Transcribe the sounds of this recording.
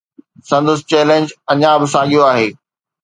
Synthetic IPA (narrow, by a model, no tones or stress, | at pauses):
sɐ̃nd̪əst͡ɕɛːlẽːɲd͡ʑɐɲãbɪsaːɡijoaːɦeː